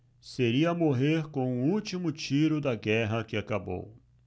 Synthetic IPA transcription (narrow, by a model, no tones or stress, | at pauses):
seɾiɐmoɦeɾkõũut͡ʃimʊt͡ʃiɾʊd̪ɐɡɛɦɐkɪakabo̰w